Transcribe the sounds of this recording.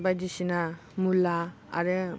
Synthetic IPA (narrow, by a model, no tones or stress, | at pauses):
bajdisinamula | a̰ɾɯ